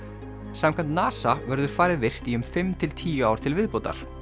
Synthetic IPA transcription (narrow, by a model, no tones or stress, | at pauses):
saːmkʰant̪naːsavœɾðʏɾ̥faːɾɪðvɪr̥t̪iʏmfɪmt̪ʰɪlt̪ʰiːjʏawɾ̥t̪ʰɪlvɪðpowt̪a̰ɾ̥